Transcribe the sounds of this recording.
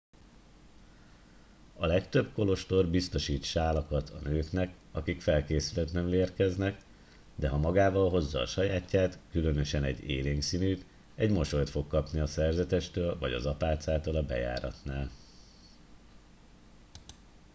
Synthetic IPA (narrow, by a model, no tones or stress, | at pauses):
ɒlɛkt̪ø̞bko̞lo̞ʃt̪o̞rbist̪o̞ʃiːt̪ʃaːlɒkɒt̪ʰɒnøːknɛk | ɒkikfɛlkeːsylɛt̪nɛmleːrkɛznɛk | d̪ɛɦɒmɒɡaːvɒlɦo̞zːɒ̰ːʃɒjaːcːaːt̪kylø̞nø̞ʃɛnɛ̰ɟːḛːleːŋksinyːt̪ | ɛɟmo̞ʃo̞jt̪fo̞kːɒpniɒsɛrzɛt̪ɛʃt̪øːlvɒ̰ɟɒ̰zɒpaːt̪saːt̪olɒbɛ̰ja̰ːɾɒ̰t̪naːl